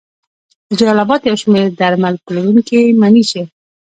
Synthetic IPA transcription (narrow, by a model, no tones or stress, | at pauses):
d̪̥əd͡ʒalɑlabɑt̪jawʃmeɾd̪aɾmalpəlaɾuŋkemaniʃe